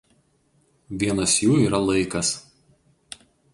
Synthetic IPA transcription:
ʋʲiɛnɐsjuːiːɾɐlˠɐɪkɐs

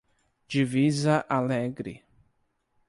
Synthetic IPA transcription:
d͡ʒivizɐʔalɛɡɾɪ̰

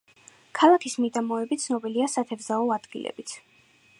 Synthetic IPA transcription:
kʰalˠakʰismid̪amɔɛbit̪sʰnɔbiliasat̪ʰɛvzaɔad̪ɡilɛ̰bit̪sʰ

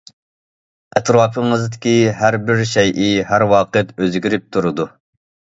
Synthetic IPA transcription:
ɛt̪ʰɾɑːpʰɨŋɨzd̪ɪkʲiɦæɾbɪɾʃɛjʔiɦæɾwɑːqɨt̪øzɡʲiɾɪp̚t̪ʰuɾɨd̪u

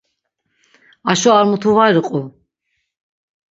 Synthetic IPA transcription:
aʃɔaɾmut̪ʰuvaɾqʼu

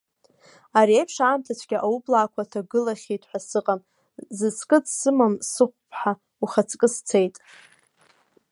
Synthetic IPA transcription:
aɾiejpʰʂaːmtʰat͡ɕʷʰɡʲaʔawublaːkʷʰatʰaɡɨlaχʲejtʼħʷᶣasɨqʼam | zɨt͡sʰʼkʼɨt͡ssɨmamsɨχʷpʰħa | uχat͡sʰʼkʼɨst͡sʰe̞jtʼ

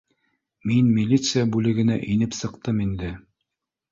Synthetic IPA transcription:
minmʲilʲit̪sɨɪjabʉlɘ̆ɡɘ̆næ̰ʔinɘpsɤ̆qt̪ɤmind̪ɘ

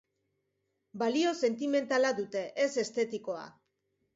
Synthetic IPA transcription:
balio̞se̞nt̪ime̞nt̪alaðut̪e̞ʔese̞st̪e̞t̪iko̞a̰

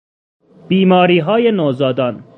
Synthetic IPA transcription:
b̥iːmɒːɾiːɦɒːjenoːzɒːd̪ɒːn

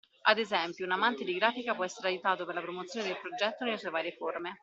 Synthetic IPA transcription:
ad̪ezɛmpjounamant̪ed̪iɡɾaːfikapwɔɛsːeɾeajut̪aːt̪operlapɾomot̪sjoːned̪elpɾod͡ʒɛt̪ːonelsuevaːɾjeforme

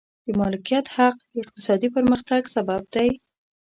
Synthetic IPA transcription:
d̪̥əmɑlɪkijat̪haqd̪əɪq̚t̪ɪ̥sɑd̪ipəɾməxt̪aɡsabab̚d̪aj

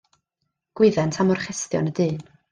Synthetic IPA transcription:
ɡ̥wɪðɛntʰamɔrχɛstjɔ̰nədɨːn

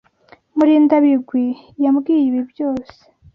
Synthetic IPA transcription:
muɾiːndaβiɡwi | jamɡiːjiβibjoːse̥

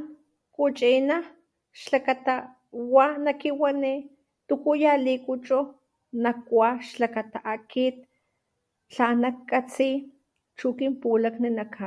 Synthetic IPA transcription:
kut͡ʃina | ʃlakat̪a | wanakiwani | t̪ukujalikut͡ʃʼu | nakwʷaʃlakat̪aʔakit̪̚ | t͡ɬanakkːat͡si | t͡ʃukimpulakninakʰa

